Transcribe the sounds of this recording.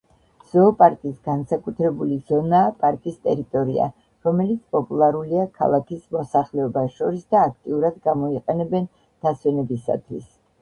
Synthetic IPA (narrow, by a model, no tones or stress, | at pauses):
z̥ɔːpʼaɾkʼisɡansakʼut̪ʰɾɛbuliz̥ɔnaːpʼaɾkʼist̪ʼɛɾit̪ʼɔɾia̰ | ɾɔmɛlit̪sʰpʼɔpʼulˠaɾuliakʰa̰lˠakʰismɔsaχlɛɔbaʃɔɾisd̪aːkʰt̪ʼiuɾad̪ɡamɔiqʼɛnɛbɛn | d̪̥aswɛnɛbisa̰t̪ʰwis